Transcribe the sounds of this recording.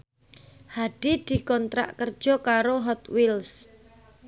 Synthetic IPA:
haɖ̥id̪̥i̤kɔnt̪ɾa̰ʔkərd̥ʒ̥ɔ̤kaɾoɦɔt̪wils

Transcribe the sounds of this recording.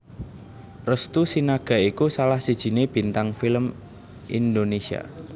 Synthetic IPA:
rəst̪usinaɡ̥a̤ikusalahsid̥ʒ̥i̤neb̥i̤nt̪aŋfiləm | ʔḭnd̪onesia̰

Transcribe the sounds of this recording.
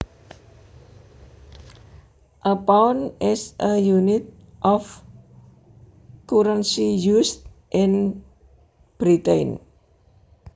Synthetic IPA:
ʔəpawnɪsəjunɪt̪̚ | ʔɔf | kuɾənsijust̪̚ | ʔɪ̃n | b̥ɾit̪ejn

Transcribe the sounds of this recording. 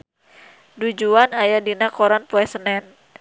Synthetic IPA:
dud͡ʒuanajadinakɔɾanpuɛsənɛn

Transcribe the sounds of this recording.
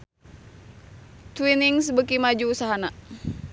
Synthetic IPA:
t̪winiŋsbəkimad͡ʒuːsaɦana

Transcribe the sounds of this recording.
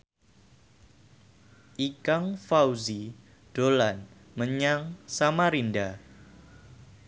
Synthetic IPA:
ʔikaŋfawzi | d̥olan | məɲaŋsamaɾinda

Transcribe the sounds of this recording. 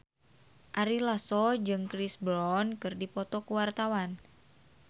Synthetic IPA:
ʔaɾilasɔd͡ʒɨŋkɾisblɔnkɨrdipɔt̪ɔkuwart̪awan

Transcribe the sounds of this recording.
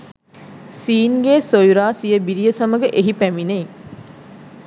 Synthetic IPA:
siːnɡeːsojuɾaːsijəbiɾijəsɐməɡəʔeɦipæminei

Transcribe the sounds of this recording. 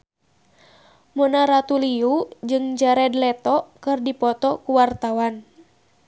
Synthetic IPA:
munaɾat̪uliud͡ʒɨŋd͡ʒaɾɛdlɛt̪ɔkɨrdipɔt̪ɔkuwart̪awan

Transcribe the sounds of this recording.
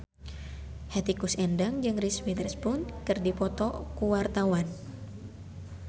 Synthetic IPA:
hɛt̪ikusɛndaŋd͡ʒɨŋriswid̪ərspunkɨrdipɔt̪ɔkuwart̪awan

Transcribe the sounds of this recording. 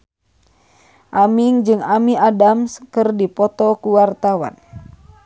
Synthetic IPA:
ʔamiŋd͡ʒɨŋamiadamskɨrdipɔt̪ɔkuwart̪awa̰n

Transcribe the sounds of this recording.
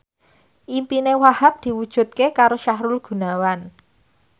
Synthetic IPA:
ʔimpinewahap̚d̪̥i̤wud̥ʒ̥ṳt̪̚kekaɾoʃaɦɾʊlɡ̥ṳnawan

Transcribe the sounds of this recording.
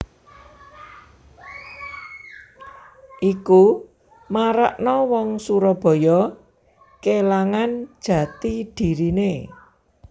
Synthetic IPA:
ʔiku | maɾa̰ʔnɔwɔŋsuɾɔb̥ɔ̤jɔ | kelaŋan̥ʒ̥ä̤t̪id̥i̤ɾine

